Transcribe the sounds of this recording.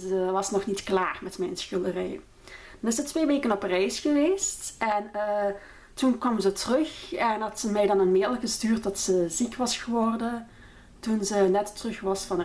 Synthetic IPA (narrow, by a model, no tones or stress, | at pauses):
əʋɑsnɔxnitklaːrmɛtmɛjnsxɪlˠdərɛ̰j | unɪsətʋeːʋeːkənɔprɛjsxəʋeːstɛnə | tunkʋɑmzətərɵxɛnɦɑtsəmɛjdɑnənmɪːlˠɣəstyːrt̚dɑtsəzikʋɑsxəʋɔrdən | tunzənɛtːərɵxʋɑsfɑn